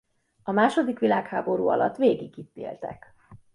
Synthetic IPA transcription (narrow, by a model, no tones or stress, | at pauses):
ɒmaːʃo̞d̪ikʋilaːkhaːbo̞ɾuːɒ̰lɒt̪ːʋeːɡiɡit̪ːḛːlt̪ɛ̰k